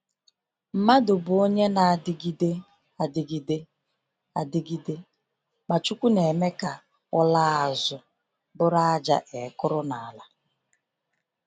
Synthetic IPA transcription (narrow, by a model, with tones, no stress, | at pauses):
m̩˨ma˦dʊ˨bʊ˨o˦ɲe˦na˨dɪ˨ɡi˦de˦ | a˨dɪ˨ɡi˦de˦ | a˨dɪ˦ɡi˦de˦ | ma˨t͡ʃu˦kʷu˦ne˨me˦ka˨ | ʊ˦la˦a˨zʊ˨ | bʊ˦ɾa˦a˦d͡ʒa̰˦ʔe˨˦˨kʊ˦ɾʊ˦na˨a˨la˨